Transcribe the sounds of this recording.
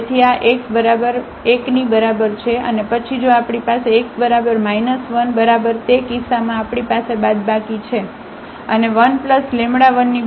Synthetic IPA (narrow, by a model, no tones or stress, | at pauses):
t̪ʰiaʔekbəɾabəɾ | eknibəɾabəɾt͡ʃʰeʔə̰nepət͡ʃʰid͡ʒoapɽipaseːk̚bəɾabəɾmainəsʋənbəɾabəɾt̪ekisamãapɽ̃ipasebad̪bakit͡ʃʰe | əneʋənpləslemɽaʋənːi